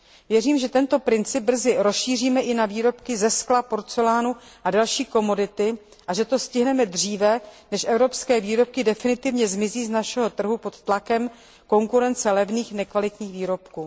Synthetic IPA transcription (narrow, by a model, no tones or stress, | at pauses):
vjɛriːmʒɛt̪ɛnt̪o̞pɾɪnt͡sɪb̚br̩zɪɾosʃiːr̝iːmɛʔɪnaviːɾo̞pkɪzɛsklapo̞ɾt͡sɛlaːnuʔadalʃiːko̞mo̞dɪt̪ɪ | ʔaʒɛt̪o̞scɪɦnɛmɛd̪r̝iːvɛnɛʃʔɛvɾo̞pskɛːviːɾo̞p̚kɪdɛfɪnɪt̪ɪvɲɛzmɪziːznaʃɛɦo̞t̪r̩ɦupo̞t̪t̪lakɛm | ko̞ŋkuɾɛnt͡sɛlɛvniːxnɛkvalɪt̪ɲiːxviːɾo̞pkuː